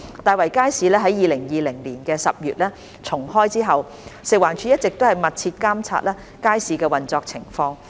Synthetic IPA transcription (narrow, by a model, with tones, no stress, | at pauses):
t̪aː˨jwɐ˨˩jkaː˥jsiː˨lɛː˥ɦɐ˨˥jiː˨lɪ˨˩ŋjiː˨˩lɪ˨˩ŋliː˨˩nkɛː˧sɐ˨p̚jyː˨t̚lɛː˥ | t͡sʰʊ˨˩ŋhɔː˥jt͡siː˥ɦɐ˨w | sɪ˨k̚waː˨˩nt͡ʃʰyː˨˥jɐ˥t̚t͡sɪ˨k̚t̪o˥whɐ˨jmɐ˨t̚t͡sʰiː˧t̚kaː˥mt͡sʰa̰ː˧t̚lɛː˥ | kaː˥jsiː˨kɛː˧wɐ˨nt͡sɔː˧k̚t͡sʰɪ˨˩ŋfɔː˧ŋ